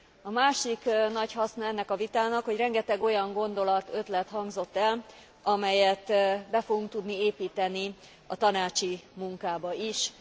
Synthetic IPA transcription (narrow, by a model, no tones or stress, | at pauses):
ɒmaːʃiknɒchɒsnɒɛnːɛkɒvit̪aːnɒkho̞ɟrɛŋɡɛt̪ɛɡo̞jɒŋɡo̞nd̪o̞lɒt̪ø̞t̪lɛt̪ɦɒŋɡzo̞t̪ːɛl | ɒmɛjɛt̪bɛfo̞ɡuŋk̚t̪ud̪nieːpiːt̪ɛni | ɒ̰t̪ɒnaːt͡ʃimuŋkaːbɒiʃ